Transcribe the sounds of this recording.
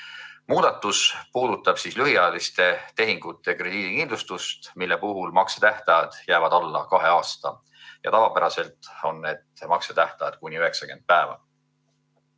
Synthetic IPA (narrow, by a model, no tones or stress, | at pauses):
muːd̪̥ɑt̪ːˑuspuːd̪̥ut̪ːˑɑb̥siːslyɦiɑːlist̪e̞t̪e̞ɦiŋɡ̥ut̪ˑːe̞kre̞d̪̥iːd̪ikind̪lust̪ust̪milːe̞puɦulmɑkset̪æht̪ɑjɑd̪̥jæːvɑd̪̥ɑlːɑ̰kɑɦe̞ɑːst̪ɑ | jɑ̰t̪ɑvɑpæɾɑse̞lt̪ˑo̞nːe̞d̪̥mɑkset̪æht̪ɑjɑ̰d̪̥̚kunʲiyɦe̞ksɑke̞nd̪̚pæevɑ̰